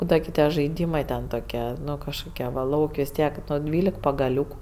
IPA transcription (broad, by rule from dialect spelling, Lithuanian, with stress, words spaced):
ˈbuːdɐʋɐ ɡʲɪ ˈtʲiɛ ʒɐɪˈdʲiːmɜ tʲɛn toːˈkʲiɛ ˈnʊ kɐʃkoːˈkʲiɛ ʋɐ ˈlˠɐʊkʲ ʋʲɪs ˈtʲiɛk ˈnʊ ˈdʲʋʲiːlʲɛk pɐɡɐˈlʲuːkʊ